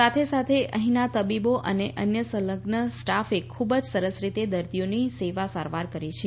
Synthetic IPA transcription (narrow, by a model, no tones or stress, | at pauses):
at̪ʰesat̪ʰeʔəɦĩnat̪əbiboʔə̰neʔənjəsə̃ləɡnəsʈafekʰubəd͡ʒsəɾəsɾit̪ed̪əɾd̪ijoniseʋasaɾʋaɾkəɾit͡ʃʰe